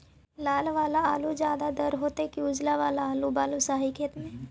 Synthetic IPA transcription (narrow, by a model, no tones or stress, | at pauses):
laːlʋaːlaaːlud͡ʒjaːd̪ad̪əɾɦoːt̪ekiuːd͡ʒlaʋaːlaaːlubaːlusaːɦikʰeːt̪mẽː